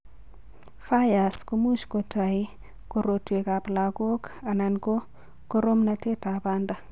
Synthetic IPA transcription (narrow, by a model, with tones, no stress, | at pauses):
fa˦ja˨sko˦mu˦ʃko˨tʰa˨ɪ˦ | ko˨ɾo˨twe˨ka˨pla˨ko˦ka˨na˨nko˦ | ko˦ɾo˦mnate˦ta˨ba˦nda˦